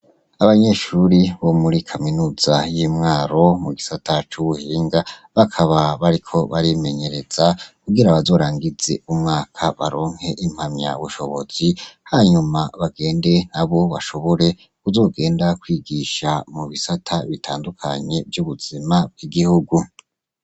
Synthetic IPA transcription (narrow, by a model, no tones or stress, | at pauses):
aβaɲe̞ʃuɾiβo̞muɾikʰaminuːz̥ajiːmŋaːɾo̞muɡisatʰat͡ʃuβuhiːŋɡaβakʰaβaβaɾikʰo̞βaɾime̞ɲe̞ɾe̞z̥akuɡiɾaβazo̞ːɾaːŋɡize̞̰umŋaːkʰaβa̰ɾo̞ːŋ̥he̞ʔim̥hamɲa̰βuʃo̞βo̞z̥ihaɲumaβaɡe̞ːnde̞naβo̞βaʃo̞βo̞ɾe̞ | kuzo̞ːɡe̞ːndakwiːɡiʃamuβisatʰaβitʰaːndukʰa̰ɲe̞vjuβuz̥imab̚ɡ̥iɡihuɡu